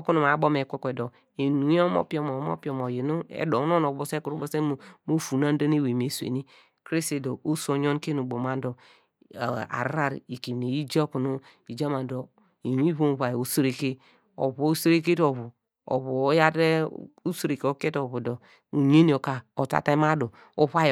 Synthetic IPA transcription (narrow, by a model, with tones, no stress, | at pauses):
ku˦nu˨m˨a˨˦bo˦me˨kʷo˦kʷe˨do˨ | e˨nu˨˦o˦mo̰˦pi˦o˨mo˨˦mo̰˦pi˦o˨mo˨je˨nu˦ḛ˨do˨˦n˦o˦no˨˦o˨se˦ku˨ɾu˦bo˦se˦˨mo˦fu˨na˦n˦do˦n˦e˦we˨m˨e˨sḛ˨ni˦ | kɾe˦se˨do˨ʔo˦so˦ɲo˦nke˦nu˨bo˨ma˦n˦do˨ | a̰˨ɾa˦ɾi˨ki˨m˨ne˨i˦d͡ʒa˦ku˨nu˦i˨d͡ʒa˦ma˨n˨do˨ | i˨n˦i˦βo˦˨βa˨jo˨sɾe˨ke˦ | o̰˨βo˨˦se˦ɾe˦k̬e˦to˨βu˨ | o̰˨βo˨˦ja˦de˦u˦sɾe˨ke˨o˦ke˦to˨βu˨do˨ | u˨ɲe˦ni˨˦o˨ka˨o˨ta̰˨ta˦ma˦do˨ | o˦βa˦